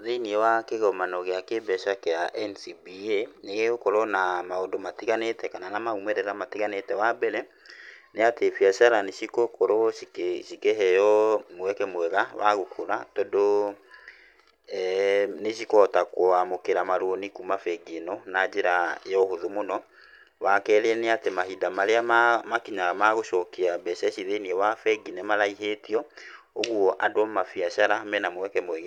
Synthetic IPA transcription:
ðeniewakeɣɔmanɔɣeakebɛʃakɛaʔɛnsibieneɣeɣokɔɾɔnamaodomatiɣanetɛkananamaumɛɾɛɾamatiɣanetɛwabɛɾɛ | neatefiaʃaɾaneʃikokɔɾɔikeʃikeɦɛjɔmoɛkɛmwɛɣawa̰ɣokʰoɾatɔdo | neʃikɔtakowamokeɾamaɾoonikumafɛɡenɔnad͡ʑeɾajɔhoðomonɔ | wakɛɾeɛneatemahidamaɾeamakiɲaamaɣoʃɔkeabɛʃɛɕiðeniɛwafɛɡinemalaiɦetiɔ | oɣwɔʔadwɔmafiaʃaɾamɛnamowɛkɛmwɛɣe

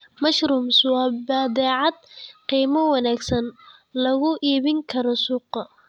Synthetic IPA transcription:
mɐʃɾuːmswɑːbɐd̪ɛːʕɑd̪̚qiːmɐwɑnaːɡsɐn | lɐɣʊʔiːβɪŋkʰɐɾɔsʊːq

